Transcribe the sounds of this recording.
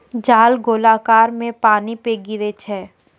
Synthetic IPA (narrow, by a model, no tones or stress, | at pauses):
d͡ʒaːlɡoːlaːkaːɾmẽpaːnipeɡɪɾet͡ʃʰɛː